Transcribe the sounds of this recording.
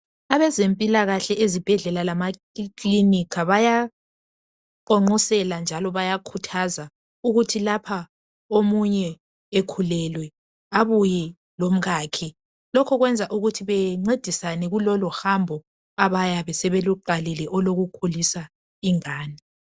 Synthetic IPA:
aβɛzempʼilaɣaɬɛʔezib̥ʱɛɮɛlalama | kʼlinikʰaβaja | ǃɔŋ͡ǃɔsɛland͡ʒʱalɔβajakʰutʰaza | uɣutʰilapʰa | omuɲɛ | ekʰulɛlwɛ | aβujɛ | lom̩ɣakʰi | lɔkʰɔɣwɛnd͡zʱaʔuɣutʰiβɛŋ͡ǀed̥ʱisanɛɣulɔlɔhambʱɔ | aβajaβɛsɛβeluǃalɛlɛʔɔloɣukʰulisa | iŋaːni

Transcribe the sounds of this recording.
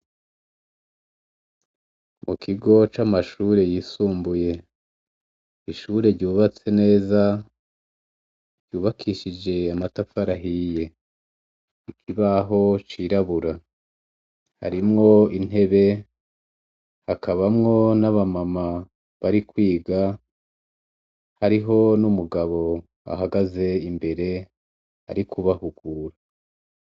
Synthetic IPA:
mʔukʰiɡo̞t͡ʃamaʃuɾe̞jisuːmbuje̞ | iʃuɾe̞ɾɟuːβat͡se̞ne̞ːza | ɟ̥uːβakʰiʃid͡ʒe̞amatafaɾaɦije̞ | ikʰiβaɦo̞t͡ʃiɾaβuɾa | ha̰ɾimŋo̞in̥e̞βe̞ | hakaβamŋo̞naβamama | βaɾikwiːɡa | haɾiɦo̞numuɡaβo̞ | a̰ɦaɡaze̞imbe̞ɾe̞ | a̰ɾikʰuβahuɡuːɾa

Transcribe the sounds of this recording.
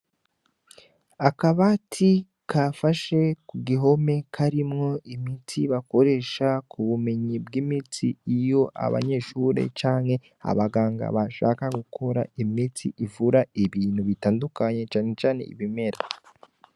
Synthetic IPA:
akaβatʰi | kʰafaʃe̞kuɡiɦo̞me̞kʰaɾimŋo̞ʔimitʰiβako̞ɾe̞ːʃakʰuβume̞ɲibɡimitiijo̞ʔa̰βa̰ɲe̞ʃuɾe̞̰t͡ʃaːnhe̞ | a̰βaɡaːŋɡa̰βaʃa̰ːkaɡukʰo̞ɾa̰imitʰiʔivuɾaiβiːnhuβitaːndukaɲe̞t͡ʃaːne̞t͡ʃaːne̞̰ḭβime̞ɾa

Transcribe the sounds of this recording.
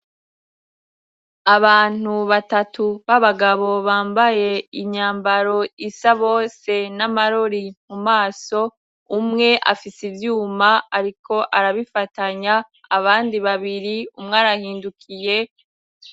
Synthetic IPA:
aβaːn̥uβatatuβaβaɡaβo̞βaːmbaje̞iɲaːmbaɾo̞isaβo̞ːse̞namaɾo̞ɾimumaːso̞ | umŋe̞ʔa̰fisivjuːmaaɾiko̞ʔaɾaβifataɲaː | βaːndiβaβiɾiumŋaːɾahiːndukʰije̞

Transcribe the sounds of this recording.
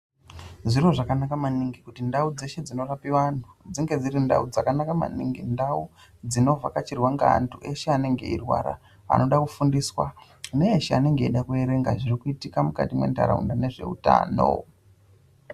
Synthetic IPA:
ʐiro̞ʐakanakamaniŋɡikutindaud͡ze̞ʃe̞d͡zino̞rapiʋan̤ud͡ziŋɡe̞d͡ziɾinda̰ud͡zakanakama̰nḭŋɡindau | d͡zino̞vakat͡ʃirwaŋɡa̰ːntʰuʔe̞ʃeane̞ŋɡe̞̰irwa̰ɾa̰ | a̰no̞ɗakufundiːswa | uneːʃeane̞ŋɡe̞iɗakue̞ɾe̞ŋɡaʐirikuitikamuka̰timwe̞̰nda̰ɾa̰ṵndane̞ʐe̞̰ṵta̰ːno̰

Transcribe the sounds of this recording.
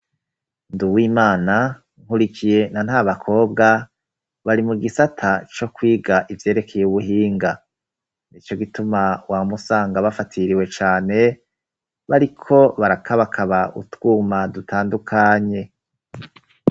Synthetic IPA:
nduwiːmaːna | ŋ̥huɾikije̞nanhaβakʰo̞ːb̚ɡa | βaɾimuɡisatʰat͡ʃo̞kwiːɡaʔivje̞ːɾe̞kʰejeuβuɦiːŋɡa | nit͡ʃo̞ɡitumawamusaːŋɡaβafatʰiɾiwe̞t͡ʃaːne̞ | βaɾikʰo̞βaɾakʰaβakʰaβaṵtɡ̥uːmadutʰaːndukʰaɲe̞

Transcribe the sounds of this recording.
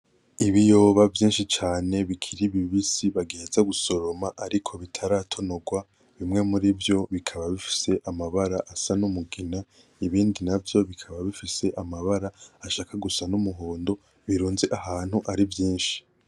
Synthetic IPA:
iβijo̞ːβavjĩːnʃit͡ʃaːne̞βikʰiɾiβiβisiβaɡeːzaɡuso̞ɾo̞maʔaɾikʰo̞βitʰaɾaːtʰo̞no̞ɡwa | βimŋe̞muɾivjo̞βikʰaβaβifi̥se̞ʔamaβaɾaʔasanumuɡina | iβiːndinavjo̞βikʰaβaβifise̞ʔamaβaɾaaʃaːkaɡusanumuɦoːndo̞ | βiɾuːnzeʔaɦaːn̥huʔaɾivjiːnʃi̥

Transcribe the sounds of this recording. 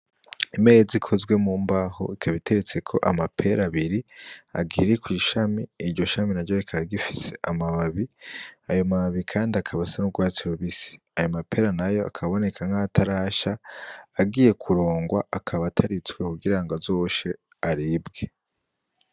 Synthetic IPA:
ime̞ːzikʰo̞zɡwe̞muːmbaho̞̰ikʰaβitʰe̞ɾet͡se̞kʰo̞̰ʔamapʰe̞ɾaβiɾia̰ɡiɾikwiːʃamiːɾɟo̞ʃaminaɟoɾekʰaɡaɡifi̥se̞ʔamaβaβiajo̞maβaβikʰaːndiakʰaβasanub̚ɡwaːt͡siɾoβisi̥ | ajomapʰe̞ːɾanajo̞ʔa̰kʰaβo̞ne̞kʰaŋ̥hatʰaɾaːʃaː | ɡiːje̞kʰuɾo̞ːŋɡwaakʰaβatʰaɾit͡swekuɡiɾaŋɡazo̞ːʃe̞ | aɾibɡe̞

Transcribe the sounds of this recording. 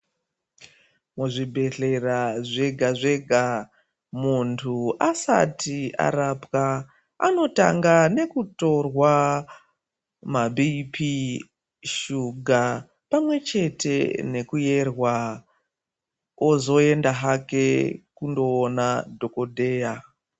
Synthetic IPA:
muʐibʱe̞ɬe̞raʐe̞ɡʱaʐe̞ɡʱa | muntʰuasa̰tia̰ɾapka | a̰no̞ta̰ŋɡane̞kuto̞rwa | mabʱipʰi | ʃuɡʱa | pamwe̞t͡ʃe̞te̞̰ne̞kuje̞rwa | ozo̞e̞ndaɦake̞kundo̞ːnadʱo̞ko̞dʱe̞ːja

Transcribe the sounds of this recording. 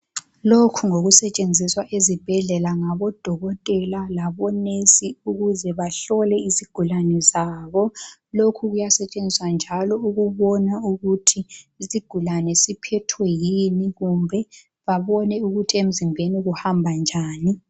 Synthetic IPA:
lokʰuŋoɣusɛt͡ʃʼend͡zʱiswaʔezib̥ʱɛɮɛlaŋaβɔd̥ʱɔɣɔtʼɛlalaβɔnesiuɣuzɛβaɬɔlɛisiɡ̥ʱulanɛzaːβɔlokʰuɣujasɛt͡ʃʼend͡zʱiswand͡ʒʱalɔuɣuβɔnauɣutʰiːsiɡ̥ʱulanɛsipʰɛtʰwɛjiniɣumbʱɛ | βaβɔnɛuɣutʰiem̩zimbʱeniɣuhambʱand͡ʒʱaːni

